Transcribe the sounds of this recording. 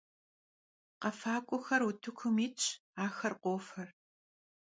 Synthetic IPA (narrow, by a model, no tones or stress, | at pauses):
qɐfaːkʷʼʊxɐrutʰɨkʷʰʊmiːt͡ʃʰʼaːxɐrqʷoːfɐr